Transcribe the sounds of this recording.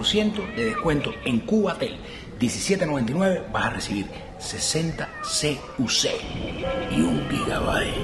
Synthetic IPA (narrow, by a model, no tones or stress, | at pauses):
ɾsje̞nt̪oðe̞ðehkwe̞nt̪oeŋkuβat̪ḛl | d̪jesisjet̪eno̞βe̞nt̪inwe̞βe̞basaresiβiɾ | sese̞nt̪ase | usḛ | iuŋpiɣaβa̰he